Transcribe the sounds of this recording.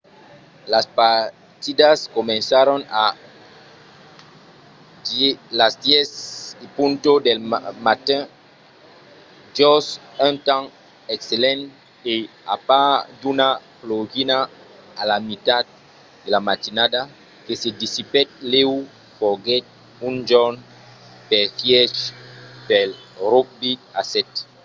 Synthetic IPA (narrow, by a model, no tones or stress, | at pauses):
laspa | t̪id̪askomẽnsaɾona | lazd̪jesipũnt̪od̪elmat̪ɛ̃ | dosãnt̪ãŋ | ekselẽnt | e | a̰pad̪unaploɡinaː | lamit̪ad̪̚ | d̪elamat̪inad̪a | kesed̪isipɛt̪̚lew | fɔɡɛt̪̚ | ũnd͡ʒɔn | pɛfjɛʃpɛlɾok̚biasɛt̪